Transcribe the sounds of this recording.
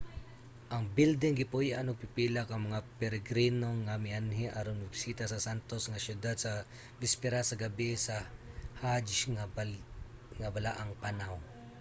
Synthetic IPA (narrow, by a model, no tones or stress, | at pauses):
ʔɐŋbɪld̪ɪŋɡɪpojaʔanopɪpilakɐŋmɐŋapɛɾɛɡɾinoŋamɪanɦɪʔaɾonmɐɡsiːt̪asɐsant̪osŋasjʊd̪ad̪̚sɐ | bɪspɛɾasɐɡɐbɪsahaŋa | ŋabalaʔaŋpanaw